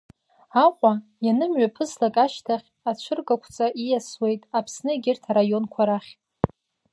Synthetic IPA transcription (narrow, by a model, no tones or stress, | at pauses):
aqʷʼa | janɨmɥapʰɨzlakʼaʃtʰaχʲ | at͡ʃʷʰɨrɡakʷʰt͡sʼaʔijaswe̞jtʼapʰsnɨeɡʲɪrtʰaɾajo̞nkʷʰaɾaχʲʼ